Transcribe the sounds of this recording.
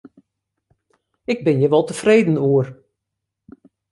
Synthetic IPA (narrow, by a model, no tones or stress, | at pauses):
ɪɡ̚bɪnjəʋɔlˠtəfreːdən̩uər